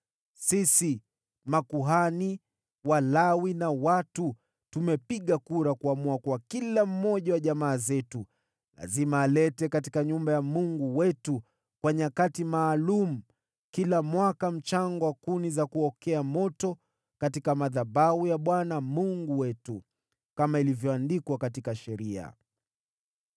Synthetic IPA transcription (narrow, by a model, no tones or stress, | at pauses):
sisi | makuɦani | walawinawatu | tumɛpiɠakuɾakuamuakuakilam̩ːɔʄawaʄamaːzɛtu | la̰zimaːlɛtɛkatikaɲumbajamuŋɡuwɛtu | kwaɲakatimaːlumu | kilamwakam̩t͡ʃaŋɡɔwakunizakuɔkɛamɔtɔ | katikamaðabaujaɓwanamuŋɡuwɛtu | kamailivjɔandikwakatikaʃɛɾia̰